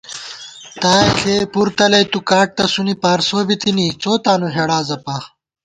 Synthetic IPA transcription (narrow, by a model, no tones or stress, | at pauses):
t̪aːekʰeːpuɾt̪ɐlɐjt̪ukaːʈ̚t̪ɐsunipaːɾsoːbit̪init͡soːt̪aːnuɦeɽaːzɐpaː